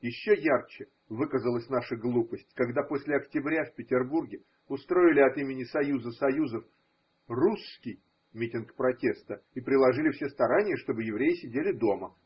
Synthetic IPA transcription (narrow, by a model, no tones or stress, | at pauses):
jɪɕːojart͡ɕɪ | vɨkəzəlˠəsʲnaʂəɡlˠupəsʲtʲkɐɡd̪apo̞sʲlʲɪɐktʲɪbɾʲafʲpʲɪtʲɪrburɡʲɪ | ʊst̪ɾo̞ɪlʲɪɐt̪imʲɪnʲɪsɐjuzəsɐjuzəf | ruskʲɪj | mʲitʲɪnkpɾɐtʲe̞st̪əipɾʲɪlˠɐʐɨlʲɪfsʲe̞st̪ɐɾanʲɪjəʂt̪o̞bɨjɪvɾʲejɪsʲɪdʲelʲɪd̪o̞mə